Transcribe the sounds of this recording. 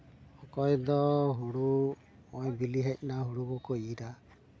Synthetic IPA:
hɔkɔjd̪ɔɦuɽu | mɔjbiliɦɛc̚ˀnaɦuɽubɔkɔiɾa

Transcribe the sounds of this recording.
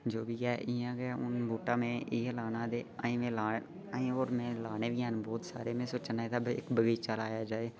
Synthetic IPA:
d͡ʒoːbiːɛːʔɪːãːɡəaːʊnbuːʈaːmẽːʔɪːãlaːnãːd̪eːa̰ːĩːmẽːlaː | aːĩːoːɾmɛ̃ːlaːɽeːʋiːɦənbɔːt̪sa̰ːɾeːmẽːsoːt͡ʃnaːeːd̪aːbɪ̰kbəɡəːt͡ʃalaːjaːd͡ʒaːeː

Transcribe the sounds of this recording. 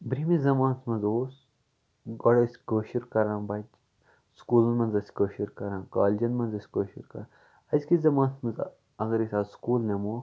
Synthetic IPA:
bɾimizɐmãːnsmɐnzoːs | ɡɔɽɐsʲkəːʃuɾkɐɾãːbɐd͡ʒ | skuːlunmɐnzɐsʲkəːʃuɾkɐɾãːkaːld͡ʒɐnmɐnzɐsʲkəːʃṵɾkɐ̰ɾa | ɐzʲkizɐmãːnsmɐz | ɐɡɐɾisʲaːskuːlnemoː

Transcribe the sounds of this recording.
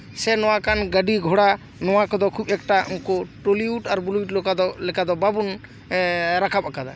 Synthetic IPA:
sɛnɔwakanɡəɖiɡʱɔɽa | nɔwakɔd̪ɔkʰubɛk̚ʈaʔuŋkɔʈoliuʈaɾbuliʈ̚lɔkad̪ɔlɛkad̪ɔbabun | ɾakʰapakad̪a

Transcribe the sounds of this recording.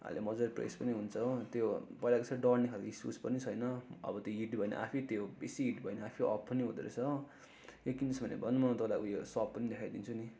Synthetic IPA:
a̰lemʌd͡zʌrprḛspʌniɦunt͡sʰʌt̪jopʌjlakot͡sʰʌɖʌrnekʰalisṵspʌnit͡sʰʌjnʌʌ̰bʌt̪joɦiʈbʱʌjnʌ̰ʔa̰pʰit̪jobesiiʈbʱʌjnʌapʰiʔʌ̰pʰːʌniɦud̪eɾḛt͡sʰʌ | jokinʌsbʱʌnḛbʱʌnmʌt̪ʌlakojosʌbpːʌnid̪ekʰajd̪int͡sʰuni

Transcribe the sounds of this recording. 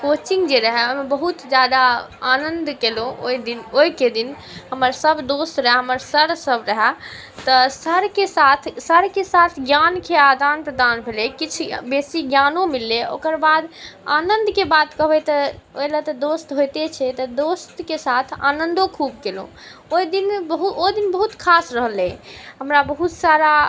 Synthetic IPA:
kot͡ʃĩŋɡd͡ʒeɾəɦɛəmebəɦut̪d͡ʒjad̪aanənd̪kelõo̰id̪inoiked̪in | ɦəməɾsəbd̪ost̪ɾəɦɛɦəməɾsəɾsəbɾəɦɛ | t̪əsəɾkesat̪ʰsəɾkesat̪ʰɡjankead̪ʱanpɾəd̪anbʱelekit͡ʃʰbesiɡjanõmilːeo̰kəɾbad̪anənd̪kebat̪kəbɛt̪ɔojlət̪ɔd̪ost̪ɦojt̪et͡ʃʰɛt̪ɔd̪ost̪kesat̪ʰa̰nənd̪õkʰub̚kelõ̰ | oid̪inbəɦuod̪inbəɦut̪kʰasɾəɦlẽɦəmɾabəɦut̪saɾa

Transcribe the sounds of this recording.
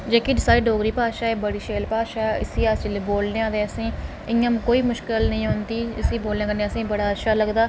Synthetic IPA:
d͡ʒeːkɪd͡ʒsaːɾeːɖoːɡɾiːpaːʃaːɛːbəɽiːʃeːlpaːʃaːɛɪ̰siːast͡ʃɪleːboːlneːãːd̪eəsĩː | ɪŋãmkoːiːmʊʃkɪlnəĩːɦʊnd̪iːɪsiːboːlnẽãːkənẽːəsĩːbəɽaːəʃaːləɡd̪aː

